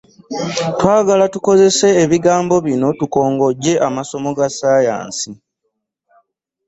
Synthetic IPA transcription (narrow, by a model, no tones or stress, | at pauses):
twaːɡalatuko̞ze̞se̞ːβiɡaːmbo̞βino̞tuko̞ːŋɡo̞ɟːe̞ʔamaso̞mo̞ɡasaːja̰ːnsi